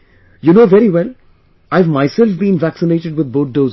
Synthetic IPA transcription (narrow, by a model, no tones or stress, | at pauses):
junoːʋɛɾiwɛl | aɪvmaɪsɛlfbĩnvæksɪneːʈɪɖwɪd̪̚boːt̚ɖoːz